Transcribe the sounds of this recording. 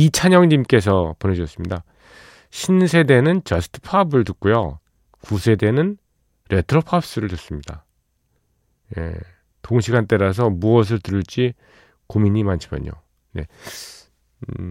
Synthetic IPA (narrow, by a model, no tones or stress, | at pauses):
it͡ɕʰaɲʌŋɲimk͈e̞s̬ʰʌpone̞ɕʰʌs͈ɯmɲida | ɕʰinsʰe̞de̞nɯnt͡ɕʌsʰɯ̥tʰɯ̥pʰabɯɭtuk̚k͈ujo̰ | kusʰe̞de̞nɯn | ɾe̞tʰɾopʰap̚s͈ɯɾɯɭtus͈ɯmɲida̰ | je̞̰ | toŋɕʰiɡant͈e̞ɾas̬ʰʌmuʌs̬ʰɯɭtɯɾɯɭt͡ɕ͈i | komiɲimant͡ɕʰimjʌ̰ɲo̰ | ne̞̰